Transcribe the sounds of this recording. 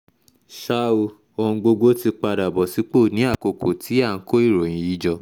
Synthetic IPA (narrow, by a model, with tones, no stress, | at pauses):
ʃa˦o˧ | õ˧ɡ͡bo˧ɡo˦ti˧k͡pa˧da˨bɔ˨si˨˦k͡po˦˨nĩ˨˦a˦˨ko˨ko˨tʰi˨˦a˦˨˦ko˦i˦˨ɾo˨j̃ĩ˨ji˨˦d͡ʒɔ˧